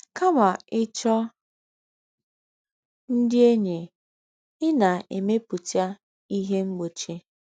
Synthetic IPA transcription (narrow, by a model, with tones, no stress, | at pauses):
ka˦ma˨ɪ˦t͡ʃɔ˦ | n̩˦dɪ˦e˦ɲe˨ | ɪ˦na˨e˨me˦pʊ˨tja˦ | i˦ɦe˦ŋ͡m̩˦ɡ͡bo˨t͡ʃe˦